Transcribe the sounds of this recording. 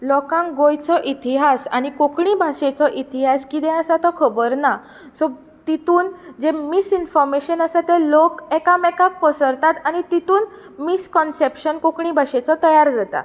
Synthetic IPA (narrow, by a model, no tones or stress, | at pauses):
lɔkãŋɡojt͡sɔʔit̪iɦasa̰nikokɳĩbʱaɕet͡sɔʔit̪iɦaskid̪ɛ̃əsat̪ɔkʰəbəɾna | sɔ | t̪it̪uːnd͡zemisinfɔɾmeɕənasat̪elokɛkamɛkãk̚pəsəɾt̪at̪añit̪it̪uːn | miskɔnsepɕənkokɳĩbʱaɕet͡sɔt̪əjaɾd͡zat̪a̰